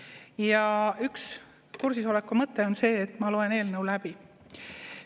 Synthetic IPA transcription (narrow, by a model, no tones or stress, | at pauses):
jɑyks | kursiso̞lekːˑumɤt̪ˑːe̞o̞nse̞ːt̪ːˑmɑloe̞ne̞ːlnəwlæb̥i